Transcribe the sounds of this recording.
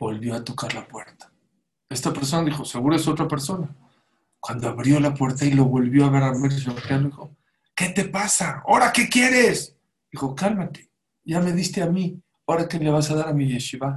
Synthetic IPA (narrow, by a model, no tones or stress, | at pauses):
bo̞lβjo̞at̪o̞kaɾlapwe̞ɾt̪ḁ | e̞st̪ape̞ɾs̬o̞naðixo̞se̞ɣuɾeso̞t̪ɾape̞ɾso̞na | kwand̪o̞aβɾjo̞lapwe̞ɾt̪ailo̞βo̞lβjo̞aβeɾameɾs̬iopjaloðixo̞ | ke̞t̪e̞pasao̞ɾake̞kje̞ɾe̞s | d̪ixo̞kalmat̪e̥ | ʝame̞ðist̪e̞ami | o̞ɾakele̞βasaðaɾamiʝeʃiβa